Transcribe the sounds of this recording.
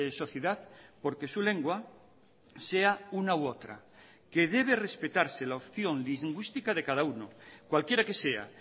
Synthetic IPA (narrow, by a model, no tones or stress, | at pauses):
so̞θjeðaθpo̞ɾke̞sule̞ŋɡwa | se̞aunawot̪ɾa̰ | keð̞e̞β̞ere̞spe̞t̪aɾselaopθjo̞nliŋɡwist̪ikað̞e̞kað̞aunokwalkje̞ɾake̞se̞a̰